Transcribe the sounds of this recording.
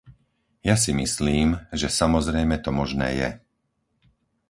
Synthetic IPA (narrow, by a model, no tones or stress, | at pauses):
jas̬imisliːmʒɛsamɔzɾɛjmɛt̪ɔmɔʒnɛ̰ːjɛ̰